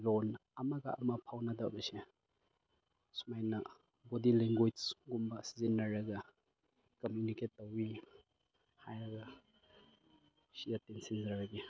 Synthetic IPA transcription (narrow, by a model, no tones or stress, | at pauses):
lonɐmɐɡɐɐ̰mɐpʰawnɐdɐwbɐse | sumajnɐ | bodileŋɡojsɡumbɐsizinːɐɾɐɡɐ | kɐmjuniketːowi | hajɾɐɡɐ | sijatensinzɾɐɾɐɡi